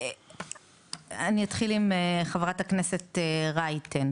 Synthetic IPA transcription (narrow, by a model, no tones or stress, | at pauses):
aniat̪χilimeχavʁatakneseteʁajten